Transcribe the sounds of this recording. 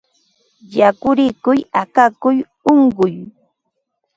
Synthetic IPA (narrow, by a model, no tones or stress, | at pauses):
jakʊɾɪkʊjakakʊj | oɴɢʊj